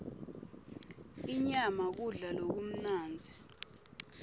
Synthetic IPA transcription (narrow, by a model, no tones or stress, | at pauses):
iɲamak̬uɮalok̬um̩naːnd͡zʱi